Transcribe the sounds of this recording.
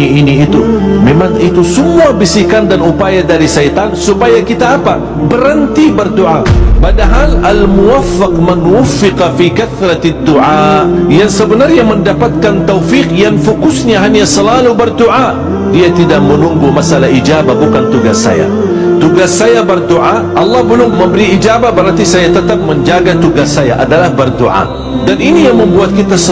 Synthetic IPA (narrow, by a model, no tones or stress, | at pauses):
iiniːt̪umemaŋit̪usəmuabisikandanupajadaɾisajt̪ansupajakit̪aːpa | bəɾənt̪ibərd̪uʕapadaɦalalmuwafːaqmanwʊfːɪqɑfikaθɾat̪ad̪ːuʕajaŋsəbənarɲaməndapat̪̚kant̪awfikjaŋfukʊsɲaɦanjasəlalubərd̪uʔa | diat̪idaʔ̚mənuŋɡumasalaɦid͡ʒabahbukant̪uɡasːa̰ja̰ | t̪uɡasːajabərd̪uʔa | ʔɑlˠːɑhbəlʊmːəmbəɾiid͡ʒabahbəɾart̪isajat̪ət̪ap̚məɲd͡ʒaɡat̪uɡasːajaʔadalahbərd̪uʕa̰ | daninijaŋməmbuat̪̚kit̪as